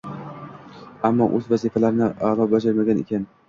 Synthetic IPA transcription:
amːɒʔɵzvazifalaɾɪnɪʔalˠɒp̚bad͡ʒaɾmaɡʲanḛkʲʰan

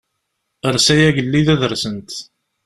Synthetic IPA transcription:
əɾˤsæjæʝəlːiðæðəɾsənt̪

